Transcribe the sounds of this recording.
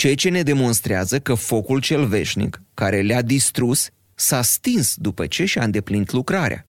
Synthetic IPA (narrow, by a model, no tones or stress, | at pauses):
t͡ʃejt͡ʃe̞ne̞d̪e̞mo̞nst̪ɾeazəkəfo̞kult͡ʃe̞lve̞ʃnḭkːaɾe̞lead̪ist̪ɾusː | ast̪insd̪upət͡ʃe̞ʃiaɨnd̪e̞plinit̪lukɾaɾḛa̰